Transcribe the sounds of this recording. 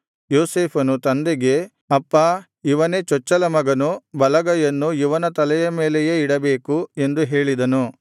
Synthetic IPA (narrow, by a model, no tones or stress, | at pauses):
joːseːpʰɐnut̪ɐnd̪eɡe̞ | ɐpːɐ | iʋɐne̞ːt͡ʃɔt͡ʃːɐlɐmɐɡɐnubɐlɐɡɐjɐnːuiʋɐnɐt̪ɐlɛjɐme̞ːlejeiɽɐbe̞ːkue̞nd̪uɦe̞ːɭid̪ɐnu